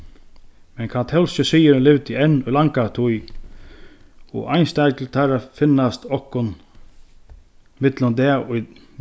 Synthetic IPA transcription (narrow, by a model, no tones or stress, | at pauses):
mɛnkʰant̪hɛwlsəsijɪɾɪnlɪvt̪ʰɪɛnːʊjlaŋkat̪ʰuj | ɔ̰ʔa̰jnst̪ajklt̪ʰaɾafɪnːast̪ɔhkʊn | mɪt̪lʊnd̪ɛʊj